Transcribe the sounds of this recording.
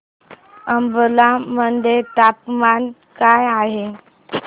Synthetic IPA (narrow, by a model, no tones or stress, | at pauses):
əmbəlamənd̪ʱet̪apman | kajaɦe